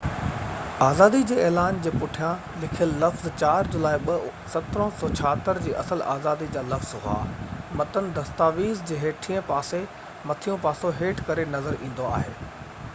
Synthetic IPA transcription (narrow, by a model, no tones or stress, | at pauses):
aːzaːd̪id͡ʑeːɛːlaːnd͡ʑeːpʊʈʰijã | lɪkʰijəlːɐfzt͡ɕaːɾd͡ʑʊlaːiɓɐ | sɐt̪ɾə̃sɔːt͡ɕʰaːɦt̪əɾd͡ʑiːʔɐ̰səla̰ːzaːd̪id͡ʑaːlɐfz̥ɦʊa̰ːmɐt̪ənɪ̆d̪ɐst̪aːʋiːzd͡ʑeːɦeːʈʰiːə̃paːse | mɐt̪ʰijũpaːsoɦeːʈʰkɐɾenɐzəɾĩːn̆d̪oa̰ːɦeː